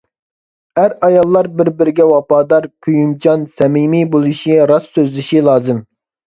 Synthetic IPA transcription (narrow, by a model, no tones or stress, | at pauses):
æɾɑjɑlˠːɑɾbɪɾbɪɾɪɡʲɛwɑpɑːd̪ɑɾkʲʰyjumt͡ʃʰɑnsɛmimibolˠɨʃiɾɑsːøzlɪʃilˠɑːzɨm